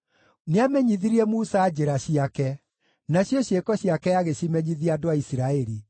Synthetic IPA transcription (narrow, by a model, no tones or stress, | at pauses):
neamɛɲiðiɾiɛmusaːd͡ʑeɾaɕiakɛ | naɕjɔɕjekɔɕiakɛjaɣeɕimɛɲiðiadoaisiɾaɛɾi